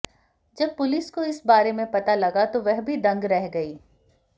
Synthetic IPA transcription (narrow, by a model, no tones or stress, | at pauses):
d͡ʒɐb̚pʊlɪskoɪsbaːɾemẽpɐt̪alɐɡat̪oʋɛɦbʱid̪ɐ̃ŋɡɾɛɦɡɐiː